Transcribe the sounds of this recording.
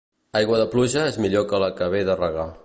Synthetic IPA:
ajɣwəðəpluʒəezmiʎokələkəβeðərəɣa

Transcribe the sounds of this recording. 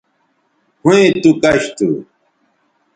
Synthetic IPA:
huẽt̪ukɐɕt̪ṵ

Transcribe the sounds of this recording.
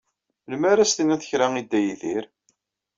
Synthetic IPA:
lmæɾæst̪inæθə̥çɾæŋid̪ːæjðiɾ

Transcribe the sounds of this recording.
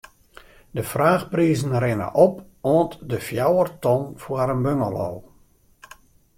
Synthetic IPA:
dəfraːxpriːzən̩rɪnə̰ʔɔp | oəntdəfjawərtɔnfuəɾənbøŋə̰lo̰ː

